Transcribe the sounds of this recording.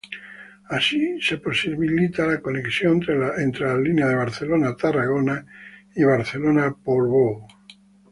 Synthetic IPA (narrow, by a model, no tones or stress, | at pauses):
asiseposiβilit̪alakoneksjont̪ɾeent̪ɾelalineaðeβ̞aɾθelonat̪araɣ̞onaiβ̞aɾθelonapolβo